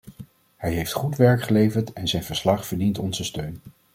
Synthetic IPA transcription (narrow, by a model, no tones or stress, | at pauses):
hɛjɦejftχutʋɛɹkχəlejvəɹtɛnzɛjnvəɹslɑχfəɹdintɔnzəstøɥn